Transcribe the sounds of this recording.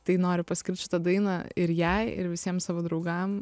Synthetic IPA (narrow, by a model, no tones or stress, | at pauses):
t̪ɐɪnoːɾʲɪpɐsʲkʲɪrt̪ʲʃʲɪt̪ɐd̪ɐɪnɐɪɾjæɪɪ̰ɾʋʲɪsʲiɛmsɑːʋoːd̪ɾɐʊɡɐm